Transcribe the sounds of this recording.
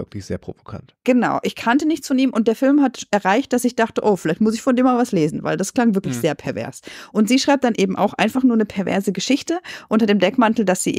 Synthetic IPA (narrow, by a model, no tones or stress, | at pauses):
vɪklɪçz̥ḛːɐpʁ̥ovokʰa̰ntɡ̥ənaʊʔɪçkʰantənɪçt͡sfɔniːmʔʊnt̚d̥eːɐfɪlmhatʔɛɐʁaɪçt̚d̥asɪçd̥aχtəʔoːfɪlaɪçtmʊsɪçfɔndeːmavasleːzn̩va̰ɪldaskl̥aŋvɪɐklɪçz̥eːɐpʰɛɐvɛ̰ɐsʔʊntz̥iːʃʁ̥aɪp̚d̥anʔeːbm̩ʔa̰ʊxʔa̰ɪnfaχnuːɐnəpʰɛɐvɛ̰ɐzəɡəʃɪçtəʔʊntɐdeːmdɛkmantl̩dasz̥ḭː